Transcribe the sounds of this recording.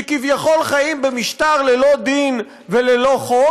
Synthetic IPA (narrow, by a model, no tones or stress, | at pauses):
kivjaχo̞lχajimbemiʃt̪aʁlelo̞d̪in | velelo̞χo